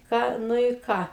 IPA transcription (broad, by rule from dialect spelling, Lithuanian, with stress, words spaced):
ˈkɑː ˈnʊ ɪ ˈkɑː